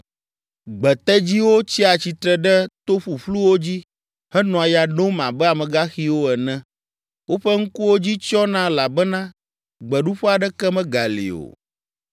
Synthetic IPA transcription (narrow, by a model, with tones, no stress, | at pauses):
ɡ͡bɛ˨t̪ɛ˦d͡ʑi˦wo˦t͡ɕi˦a˨t͡ɕi˨t̪ɾɛ˨ɖɛ˦t̪o˦ɸu˨ɸlu˦wo˦d͡ʑi˦ | hɛ˦nɔ̃˨a˨ja˨ɖõ˦mã˨bɛ˦a˨mɛ̃˨ɡa˦xi˦wo˦ɛ˨nɛ̃˦ | wo˦ɸɛ˦ŋ̩˦ku˦wo˦d͡ʑi˦t͡ʃɔ˦nã˦la˨bɛ˦nã˦ | ɡ͡bɛ˨ɖu˦ɸɛ˦a˨ɖɛ˦kɛ˦mɛ̃˦ɡa˨lḭ˨o̰˨